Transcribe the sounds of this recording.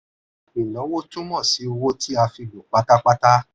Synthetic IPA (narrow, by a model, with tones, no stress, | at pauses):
ĩ˨lɔ̃˨˦wo˦tũ˦mɔ̃˦˨si˨˦˧wo˦tʰi˦a˧fi˧ɡo˨k͡pa˨˦ta˦k͡pa˦ta˦